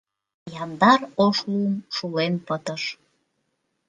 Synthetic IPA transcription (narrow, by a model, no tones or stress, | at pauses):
jɑnd̪ɑɾoʃumʃulenpət̪ɤ̆ʃ